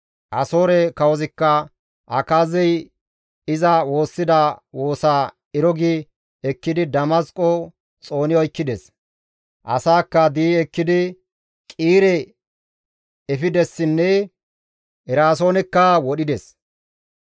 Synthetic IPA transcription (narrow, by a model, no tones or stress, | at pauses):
ʔɐso̞ːɾɛkɐwɔzɪkːɐ | ʔɐkaːzɛj | ɪzɐwo̞ːsːɪd̪ɐwo̞ːsaː | ɪɾɔɡɪ | ɛkːɪd̪ɪd̪ɐmɐskʼɔ | t͡sʼo̞ːnɪɔjkːɪd̪ɛs | ʔɐ̰saːkːɐd̪iːɛkːɪd̪ɪ | kʼiːɾɛ | ɛfɪd̪ɛsːɪnːɛ | ɛɾaːs̬o̞ːnɛkːɐwɔɗɪd̪ɛs